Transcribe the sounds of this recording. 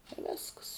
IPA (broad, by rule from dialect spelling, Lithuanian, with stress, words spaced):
ɪ ˈʋʲeːsks